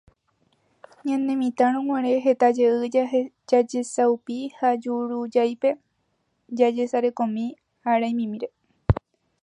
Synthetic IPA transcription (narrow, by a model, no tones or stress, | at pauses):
ɲãnẽ̞mĩt̪aɾ̃õŋwãɾe̞ɦe̞t̪ad͡ʒeʔɨ | d͡ʒad͡ʒesaupihad͡ʒuɾud͡ʒajpe̞ | d͡ʒad͡ʒe̞saɾe̞kõmĩ | haɾajmĩmĩɾe̞